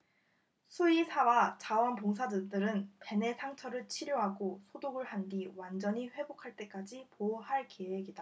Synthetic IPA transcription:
sʰuisʰawat͡ɕawʌnpoŋs̬ʰadɯdɯɾɯnpe̞ne̞sʰaŋt͡ɕʰʌɾɯɭt͡ɕʰiɾjoɦaɡosʰodoɡɯɭhandiwand͡ʑʌɲiɸwe̞bokʰaɭt͈e̞k͈ad͡ʑipoɦaɭke̞we̞ɡida

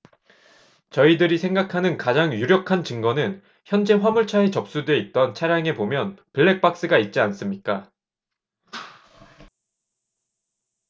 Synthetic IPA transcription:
t͡ɕʌidɯɾisʰe̞ŋɡakʰanɯnkad͡ʑaŋjuɾjʌkʰant͡ɕɯŋɡʌnɯn | çjʌnd͡ʑe̞ɸwamuɭt͡ɕʰae̞t͡ɕʌp̚s͈udwe̞it̚t͈ʌnt͡ɕʰaɾjaŋe̞pomjʌnpɯɭːe̞k̚p͈ak̚s͈ɯɡait̚t͡ɕ͈ians͈ɯmɲik͈a

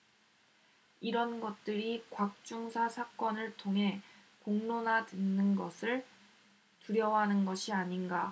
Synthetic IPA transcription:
iɾʌnɡʌt̚t͈ɯɾikwak̚t͡ɕ͈uŋsʰasʰak͈ʌnɯɭtʰoŋɦe̞ | koŋnonadwɯnːɯnɡʌsʰɯɭ | tuɾjʌwɦanɯnɡʌɕʰiaɲinɡa

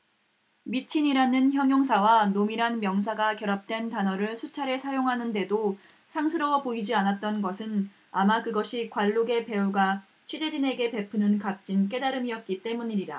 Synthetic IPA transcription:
mit͡ɕʰiɲiɾanɯnçjʌŋjoŋsʰawanomiɾanmjʌŋs̬ʰaɡakjʌɾap̚t͈we̞ntanʌɾɯɭsʰut͡ɕʰaɾesʰajoŋɦanɯnde̞do | sʰaŋsʰɯɾʌpoid͡ʑianat̚t͈ʌnɡʌsʰɯn | amakɯɡʌɕʰikwaɭːoɡe̞pe̞uɡa | t͡ɕʰid͡ʑe̞d͡ʑine̞ɡe̞pe̞pʰunɯnkap̚t͡ɕ͈imk͈e̞daɾɯmiʌt̚k͈it͈e̞muɲiɾida

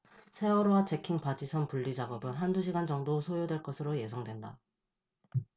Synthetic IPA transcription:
sʰe̞wʌɾowat͡ɕe̞kʰiŋpad͡ʑisʰʌnpuɭːid͡ʑaɡʌbɯnɦanduɕ̬ʰiɡand͡ʑʌŋdosʰojodwe̞ɭk͈ʌsʰɯɾoje̞sʰʌŋdwe̞nda̰

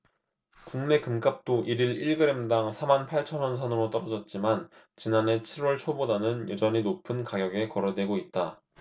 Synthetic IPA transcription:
kuŋne̞kɯmk͈ap̚t͈oʔiɾiɾiɭɡɯɾemdaŋsʰamanpʰaɭt͡ɕʰʌnwʌnsʰʌnɯɾot͈ʌɾʌd͡ʑʌt̚t͡ɕ͈iman | t͡ɕinane̞t͡ɕʰiɾwʌɭt͡ɕʰobodanɯnjʌd͡ʑʌɲinopʰɯnkaɡjʌɡe̞kʌɾʌdwe̞ɡoit̚t͈a

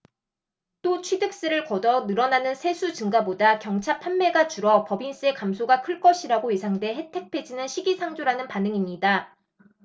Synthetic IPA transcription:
t͈ot͡ɕʰwidɯk̚s͈ɯɾɯɭkʌdʌnɯɾʌnanɯnsʰe̞sʰut͡ɕɯŋɡabodakjʌŋt͡ɕʰapʰanme̞ɡat͡ɕuɾʌpʌbins͈ɯe̞kamsʰoɡakʰɯɭk͈ʌɕʰiɾaɡoisʰaŋdwe̞ɦe̞tʰe̞k̚pʰe̞d͡ʑinɯnɕʰiɡisʰaŋd͡ʑoɾanɯnpanɯŋimɲida

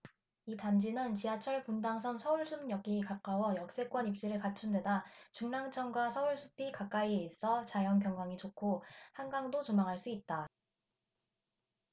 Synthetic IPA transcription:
itand͡ʑinɯnt͡ɕiat͡ɕʰʌɭpundaŋsʰʌnsʰʌuɭsʰumɲjʌɡikak͈awʌjʌk̚s͈e̞k͈wʌnip̚t͡ɕ͈iɾɯɭkat͡ɕʰunde̞dat͡ɕuŋnaŋt͡ɕʰʌnɡwasʰʌuɭsʰu̥pʰikak͈aieis͈ʰʌt͡ɕajʌnpjʌŋɡaŋit͡ɕokʰohanɡaŋdot͡ɕomaŋɦaɭs͈uit̚t͈a

